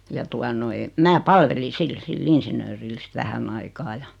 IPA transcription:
jɑ tuɑ noi mæː pɑlʋeli sil silː insinˑøːril sit ʋæhænː ɑikɑː jɑ

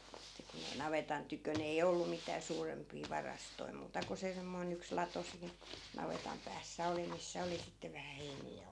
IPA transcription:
etːæ kun ei nɑʋetɑn tykøn ei olːu mitæː suːrempiː ʋɑrɑstoi muːtɑ ko se semːoi̯n yks lɑto siːn nɑʋetɑm pæːsːæ oli misːæ oli sitːe ʋæhæ heiniː jɑ

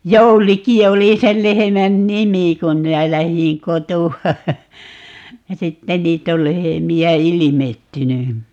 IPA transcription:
jouliki oli sel lehemæn nimi kum minæ læhĩː kotuɑ jɑ sitːe niːt ol lehemiæ ilimetːyny

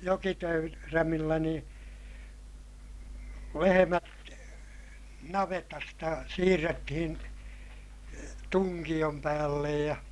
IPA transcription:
ræmilːæ nĩː lehemæt nɑʋetɑstɑ siːrːetːihin tuŋkij̆om pæːlːej jɑ

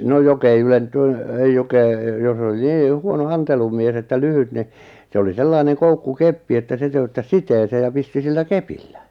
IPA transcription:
no jok ei ylentyn ei jok eˑ jos oli niː huono ɑntelumies etːæ lyhyt ni se oli selːɑineŋ koukːukepːi etːæ se tøytːæs siteːseː jɑ pisti silːæ kepilːæ

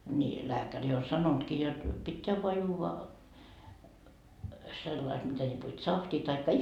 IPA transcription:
ni læːkæri o sɑnontkiː jot pitːeæ ʋoɑ juːʋɑ selːɑi et mitæ lʲipo tsɑhtiː tɑikːɑ

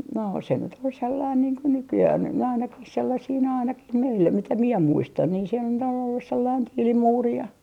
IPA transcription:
no se nyt ol selːɑin niːŋ ko nykyjæh on nyt næː ɑinɑkih selːɑsiː næː ɑinɑkih meilːæ mitæ mie muistɑn niːn se nyt on olːus selːɑin tiːlimuːri jɑ

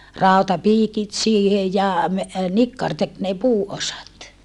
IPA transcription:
rɑˑutɑpiːkit siːhe jɑ me nikːɑr tek ne puːosɑt

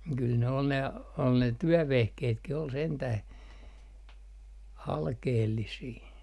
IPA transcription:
kyl ne ol ne ol ne tyøʋehkeːtkih ol sentæh ɑlkeːlːisiː

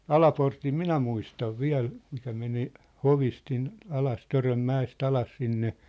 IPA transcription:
ɑlɑportim minæ muistɑʋ ʋiæl mikæ meni hoʋist sin ɑlɑs tørømːæest ɑlɑs sinːe

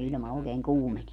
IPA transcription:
ilʲmɑ oˑekeːŋ kuːmenie

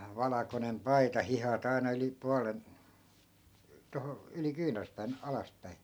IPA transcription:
ʋɑlɑkonem pɑitɑ hihɑt ɑi̯nɑ yli puɑlen toho yli kyːnerspæːn ɑlɑspæi

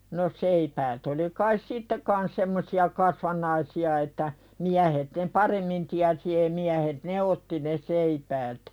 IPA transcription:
no seipæːt oli kɑis sitːe kɑns semːosiɑ kɑsʋɑnˑɑisiɑ etːæ miæhet ne pɑremːin tiæsi ei miæhet ne otːi ne seipæːt

